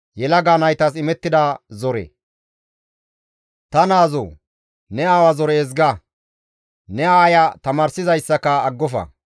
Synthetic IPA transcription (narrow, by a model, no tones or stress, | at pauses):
jɛlɐɡaːnɐjt̪ɐsɪmɛt̪ːɪd̪ɐzɔɾɛ̰ | t̪ɐnaːzo̰ː | nɛaːwɐzɔɾɛːzɡɐ | nɛaːjɐt̪ɐmaːɾsɪzɐjsːɐkɐːɡːɔfɐ̰